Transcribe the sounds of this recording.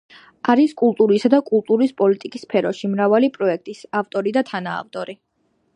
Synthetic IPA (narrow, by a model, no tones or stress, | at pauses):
aɾiskʼulˠt̪ʼuɾisad̪akʼulˠt̪ʼuɾispʼɔlit̪ʼikʼispʰɛɾɔʃimɾavalipʼɾɔɛk̚ʰt̪ʼisaft̪ʼɔɾid̪at̪ʰana̰ːft̪ʼɔɾi